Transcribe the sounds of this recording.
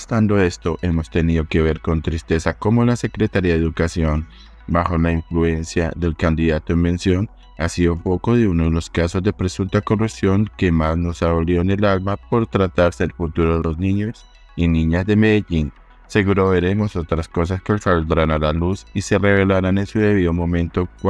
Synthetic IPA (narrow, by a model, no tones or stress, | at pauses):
st̪and̪o̞e̞st̪o̞ʔe̞mo̞st̪e̞niðo̞ke̞β̞e̞ɾko̞nt̪ɾist̪e̞sako̞molase̞kɾe̞t̪aɾiaðeðukasjo̞n | baxo̞laiɱflue̞nsja̰ðe̞lkand̪iðat̪oimbe̞nsjo̞n | asiumpo̞ko̞ðeunoðe̞lo̞skaso̞zd̪e̞pɾe̞sunt̪ako̞rusjo̞ŋke̞mazno̞saβoljo̞ene̞lalmap̚o̞ɾt̪ɾat̪aɾseelfut̪uɾo̞ðelo̞znĩɲo̞s | inĩɲazd̪e̞me̞ðeʎin | se̞ɣuɾo̞βe̞ɾe̞mo̞so̞t̪ɾasko̞s̬askesald̪ɾanalalusise̞re̞βe̞laɾanensuðe̞β̞iðomõ̞mẽnt̪ok